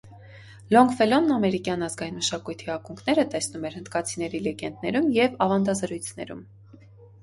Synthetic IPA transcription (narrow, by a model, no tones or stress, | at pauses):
lɔŋɡfɛlɔnːɑmɛɾikjɑn̪ɑzɡɑinməʃɑkujt̪ʰiɑkuŋkʰnɛɾət̪ɛsnumɛɾhənd̪kɑt͡sʰinɛɾilɛɡɛnd̪̚nɛɾumjɛvɑvɑnd̪ɑzəɾujt͡sʰnɛ̰ɾṵm